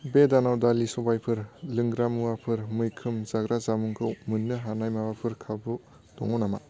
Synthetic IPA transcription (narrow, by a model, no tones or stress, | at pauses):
bedanawdalisobajpʰɯɾlɯŋɡɾamuwapʰɯɾmɯjkʰɯmzaɡɾazamuŋkʰɯwmɯnːɯɦanajmawapʰɯɾkʰabu | d̥ɔ̰ŋɔnama̰